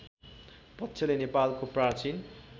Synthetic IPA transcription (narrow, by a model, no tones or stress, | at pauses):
pʌt̪ːsʰelenepalkoprart͡sin